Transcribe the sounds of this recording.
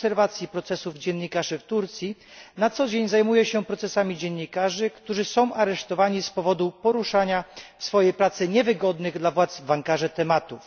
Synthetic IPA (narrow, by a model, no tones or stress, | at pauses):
sɛɾvat̪sʲjipɾɔt̪sɛsuvd͡ʑɛnɲikaʐɘft̪uɾt̪sʲji | nat̪sɔd͡ʑeɲzajmujɛɕɛpɾɔt̪sɛsamʲid͡ʑɛnːikaʐɘkt̪uʐɘsɔ̃w̃ʔaɾɛʂt̪ɔvaɲispɔvɔd̪upɔɾuʂaɲafsfɔjejpɾat̪sɘɲɛvɘɡɔd̪nɘɣd̪lavwat̪zbaŋkaʐɛt̪ɛmat̪uf